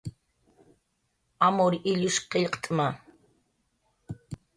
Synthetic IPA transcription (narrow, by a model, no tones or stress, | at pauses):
amoɾɪʎʊʃqeʎqt̪ʼma